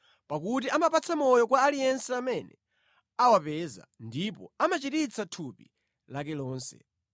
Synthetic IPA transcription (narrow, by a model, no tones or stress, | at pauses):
pakut̬iamapat͡sʰamɔjɔkwaːlijɛnsɛamɛnɛ̰ | awapɛza̰ndipɔ̰amat͡ʃitit͡sʰatʰupḭ | lak̬ɛlɔːnsɛ̰